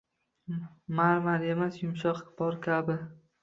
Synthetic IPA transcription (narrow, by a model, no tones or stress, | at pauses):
maɾmalemasjʊmʃɒqbɒɾkʲʰabɪ